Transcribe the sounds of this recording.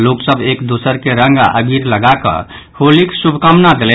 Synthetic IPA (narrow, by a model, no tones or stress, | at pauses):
loksəbekd̪osəɾkeɾə̃ŋɡə̰ɡiɾləɡakə̰ | holiksubʱkəmnad̪elɛ